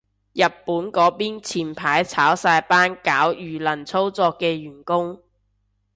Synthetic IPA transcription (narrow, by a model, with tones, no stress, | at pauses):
jɐ˨t̚pːuː˨˥nkɔː˨˥piː˥nt͡sʰiː˨˩npʰaː˨˥jt͡sʰaː˨˥wsaː˧jpaː˥nkaː˨˥wjyː˨˩lɐ˨˩nt͡sʰo˥wt͡sɔː˧kːɛː˧jyː˨˩nkʊ˥ŋ